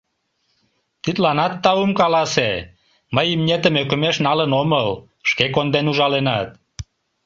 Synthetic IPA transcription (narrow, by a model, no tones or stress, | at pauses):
t̪it̪lɑnɑt̪ːɑumkɑlɑse | məjimnʲet̪əmøkə̆meʃnɑlənoməl | ʃkekond̪enuʒɑlenɑt̪̚